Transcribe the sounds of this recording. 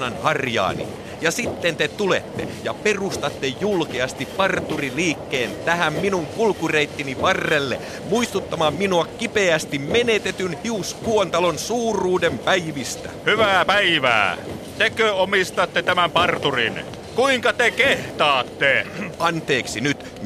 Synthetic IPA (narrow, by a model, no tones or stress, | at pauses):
nɑnhɑrjɑ̰ːnḭ | jɑsit̪ːent̪et̪ulḛt̪ːḛjɑperust̪ɑt̪ːejjulkeɑst̪ippɑrt̪uriliːkːeːnt̪æhæmminuŋkulkureit̪ːiniʋɑrːelːḛ | muist̪ut̪ːɑmɑːmminuɑkkipeæst̪immenet̪et̪ynhiuskuont̪ɑlonsuːrˑuːdempæiʋist̪æ̰hyʋæːpæiʋæ̰ːt̪ekøomist̪ɑt̪ːet̪æmæmpɑrt̪urḭn | kuiŋkɑt̪ekeht̪ɑːt̪ːeɑnt̪eːksinyt̪